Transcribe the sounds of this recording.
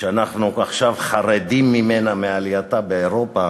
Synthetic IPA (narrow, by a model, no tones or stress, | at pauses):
ʃeanaχnuaχʃavχaʁed̪imːimenamealijat̪abeeʁopa